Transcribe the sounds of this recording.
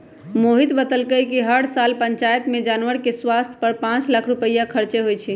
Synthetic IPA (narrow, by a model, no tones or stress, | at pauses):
moɦit̪bət̪əlkəjkiɦəɽsalpəɲt͡ʃajət̪med͡ʒanʋəɾkeswast̪ʰjə̥pəɾpãt͡ʃlakʰɾupəjːakʰəɾt͡ʃeɦojt͡ʃʰi